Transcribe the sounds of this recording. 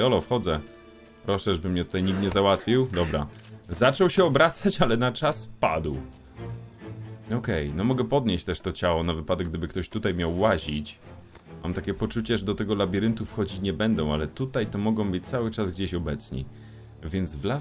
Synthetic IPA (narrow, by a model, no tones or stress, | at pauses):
ɔlɔfxɔd̪zɛ | ɾɔʂɛʐbɘmɲɛt̪ut̪ajɲik̚t̪ɲɛzawat̪fʲiwd̪ɔbɾa̰ | zat͡ʂɔwɕɛɔbɾat̪sat͡ɕalɛnat͡ʂaspa̰d̪w | ɔkɛjnɔmɔɡɛpɔd̪ɲeɕt͡ɕʲt̪ɛʂt̪ɔt͡ɕawɔnavɘpad̪ɛkɡ̚ɡ̚d̪ɘbɘkt̪ɔɕt̪ut̪ajmʲjawːaʑit͡ɕ | ma̰mt̪akʲɛpɔt͡ʂut͡ɕɛʐɛd̪ɔt̪ɛɡɔlabʲiɾɘnt̪ufxɔd͡ʑit͡ɕɲɛbɛnd̪ɔ̃w̃alɛt̪ut̪ajt̪ɔmɔɡɔ̃w̃bɘt͡ɕt̪sawɘt͡ʂazɡd͡ʑeɕɔbɛt̪sɲḭ | vʲjɛnd̪zvla